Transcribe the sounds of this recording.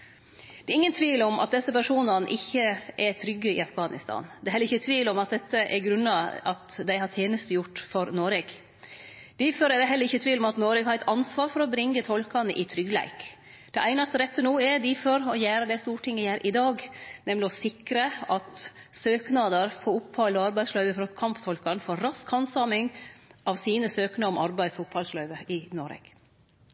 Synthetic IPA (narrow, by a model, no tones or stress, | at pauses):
d̪̥ɛːɾɪŋːənt̪ʰʋiːlɔmʔɑ̰t̪̚d̪ɛsːəpæʂuːnɑnʔɪçːəʔɛt̪ʰɾʏɡːəɪ̰ɑfɡɑːnɪ̰st̪ʰɑ̰nd̪ɛhɛlːəɪçːət̪ʰʋiːlɔmɑt̪̚d̪ɛt̪ːəʔɛɾɡɾʉnːɑɑt̪d̪æɪhɑt̪ʰjeːnəst̪əjʊʈːfɔɾnoːɾɛɡ̪̥ | ɪfɔɾɛd̪ɛɦɛləɾɪçːət̪ʰʋiːlɔmɑt̪noːɾɛɡhɑɾæɪt̪ʰɑnsʋɑːɾfɔɾɔbɾɪŋːət̪ʰɔlkɑnəʔɪt̪ʰɾʏɡlæ̰ɪk | d̪̥ɛʔæɪnɑst̪əɾɛt̪ːənuːɛɖ̪ɪfɔɾɔjæːɾəd̪ɛst̪uːʈʰɪŋːəjæːɾʔɪd̪ɑːɡnɛmlɪɔsɪkɾəɑt̪søːknɑd̪əɾfʰɔːʊpʰːhɑlːɔɑɾbæɪslœʏʋəfɔɾɑt̪kʰɑmpt̪ʰɔlkɑnfoːɾɾɑskhɑnsɑːmɪŋʔɑʋsiːnəsøːknɑɔmɑɾbæɪshʊphɑlslœʏʋəɪnoːɾḛːɡ̥